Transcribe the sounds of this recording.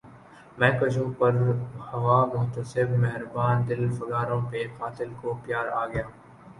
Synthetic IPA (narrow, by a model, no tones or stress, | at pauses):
mɛ̃ːkɐd͡ʒõːpɐɾhɐʋaːmʊɦt̪əsɪbmɛɦɪɾbaːnd̪ɪlfɐɡaːɾõpekaːt̪ɪlkopjaːɾaːɡɐjaː